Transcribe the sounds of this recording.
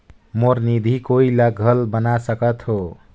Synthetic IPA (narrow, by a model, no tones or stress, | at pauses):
mornid̪ʱikoilaɡʱʌlbʌnasʌkʌt̪ɦo